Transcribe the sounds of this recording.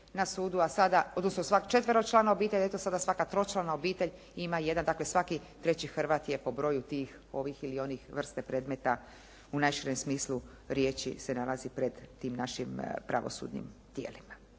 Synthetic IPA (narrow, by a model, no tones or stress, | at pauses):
nasuːd̪uasad̪aod̪nosnosʋakt͡ʃe̞t̪ʋəɾoɡt͡ʃlaːnaobiːt̪eʎaet̪osad̪asʋakat̪ɾo̞t͡ʃlˠanao̞biːt̪e̞ʎ | imaje̞d̪and̪akle̞sʋakit̪ɾe̞t͡ɕixrɾʋaːt̪ijepo̞bɾo̞ːjut̪iːx | o̞ʋixilio̞nixʋr̩st̪epɾe̞ːd̪met̪a | unajʃiɾemsmiːslu | ɾjeːt͡ɕḭse̞nalazipɾe̞d̪t̪ːiːmnaʃimpɾa̰ʋo̰sṵd̪nḭmt̪jḛːlima